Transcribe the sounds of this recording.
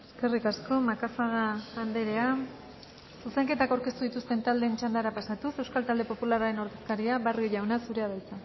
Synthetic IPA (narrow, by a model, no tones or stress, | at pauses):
eske̞rikasko̞makafaɣaːnd̪e̞ɾe̞a | suseŋke̞t̪akawɾke̞st̪uðit̪ust̪e̞nt̪ald̪e̞ːnt͡ʃand̪aɾapasat̪use̞wskalt̪ald̪e̞po̞pulaɾaɾe̞no̞ɾðe̞skaɾiaβarɣiʎawnasuɾe̞aβelt͡sa